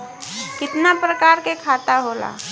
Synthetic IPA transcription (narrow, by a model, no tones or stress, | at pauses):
kɪt̪napɾəkaːɾkekʰaːt̪aɦoːla̰ː